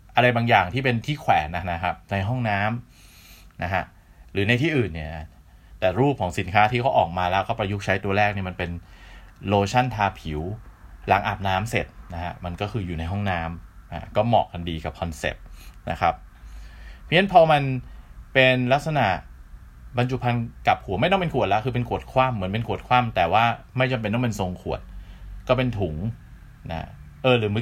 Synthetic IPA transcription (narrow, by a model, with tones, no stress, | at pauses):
ʔa˧ɾa˧jbaː˧ŋjaː˨˩ŋt̪ʰiː˥˩pe˧nt̪ʰiː˥˩kʰwɛː˩˦na˦˥na˦˥kʰa˦˥p̚na˧jɦɔ˥˩ŋnaː˦˥m | nʔa˦˥kʰa˦˥ | ɾɯː˩˦na˧t̪ʰiː˥˩ʔɯː˨˩nːi˥˩ɐ˨˩ | t̪ɛː˨˩ɾuː˥˩p̚kʰɔː˩˦ŋsi˩˦nkʰaː˦˥t̪ʰiː˥˩kʰa˦˥wʔɔː˨˩k̚maː˧lɛː˦˥wkɔː˥˩pa˧ju˦˥k̚t͡ɕʰa˦˥jt̪u˧ɐɾɛː˥˩k̚ni˥˩ma˧npe˧n | loː˧t͡ɕʰa˥˩nt̪ʰaː˧pʰi˨˩˦wla̰ː˩˦ŋʔa̰˨˩p̚naː˦˥mse˨˩t̪̚na˦˥kʰa̰˦˥ma˧nkɔː˥˩kʰɯː˧juː˨˩na˧jɦɔ˥˩ŋnaː˦˥ma̰˦˥kɔː˥˩mɔ̰ː˨˩k̚ka˧ndiː˧ka˨˩p̚kʰɔ˧nsḛ˨˩p̚na̰˦˥kʰa˦˥p̚ʰː | i˦˥ə˨npʰɔː˧ma˧npe˧nla˦˥k̚sa˧na̰˨˩ | pa˧nt͡ɕu˨˩pʰa˧nka˨˩p̚hu˨˩˦ma˥˩jnɔ˥˨pe˧nkʰu˨˩ət̪̚la˦˥kʰɯː˧pe˧nkʰu˨˩ət̪̚kʰwaː˥˩mːɯ˩˦ənpe˧nkʰu˨˩ət̪̚kʰwaː˥˩mt̪ɛː˨˩waː˥˩ma˥˩jt͡ɕa˧mpe˧nːɔ˥˩pe˧nso˧ŋkʰu˨˩ət̪̚kɔː˥˩pe˧nt̪ʰu˨˩˦ŋ | na̰˦ʔɤː˧lɯː˩˦m˦˥